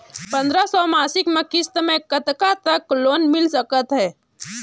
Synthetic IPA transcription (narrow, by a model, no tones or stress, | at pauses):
pə̃nd̪ɾasɔmaːsɪkmẽkɪst̪mẽkət̪kat̪əkloːnmɪlsəkət̪ɦɛː